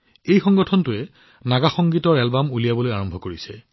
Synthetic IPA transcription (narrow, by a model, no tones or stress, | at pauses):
ejxɔŋɡɔtʰɔntʊɛ | naɡaxɔŋɡitɔɹɛlbamulijabɔlojaɹɔmbʱɔkoɹisɛ